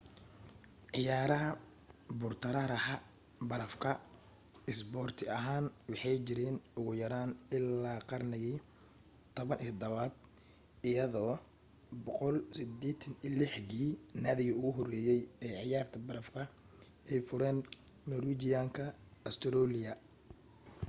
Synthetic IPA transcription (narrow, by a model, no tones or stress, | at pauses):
ʕɪjaːɾɐɦɐ | bʊrt̪ʰɐɾɐɾɐhɐ | bɐɾɐfkʰɐ | ɪsbɔːrt̪ʰɪɐɦaːnwɑħɑjt͡ʃɪɾɛːnʊɣʊjɐɾaːnɪlːaːqɑrnɪɣiː | t̪ʰɔβɐnʔɪd̪ɐβaːd̪̚ | ɪjɐðɔː | bɔqɔlsɪd̪ɛːt̪ʰɐnilɪħɣiːnaðɪɣɐʊɣʊɦɔrɛːjɛjɛːʕɪjaːrt̪ʰɐbɐɾɐfkʰɐ | ʔɛjfʊɾɛːnnɔɾwiːt͡ʃɪjaːŋkʰɐɐst̪ʰɾɔːlɪjɐ